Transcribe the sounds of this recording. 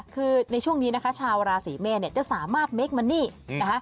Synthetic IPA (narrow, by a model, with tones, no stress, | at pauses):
kʰɯː˧na˧t͡ɕʰu˥˩əŋniː˦˥na˦˥kʰa˦˥t͡ɕʰaː˧wɾaː˧siː˩˦meː˧ni˥˩ɐt͡ɕa˨˩saː˩˦maː˥˩t̪̚me˦˥k̚ma˧nːiː˥˩na˦˥kʰa˦˥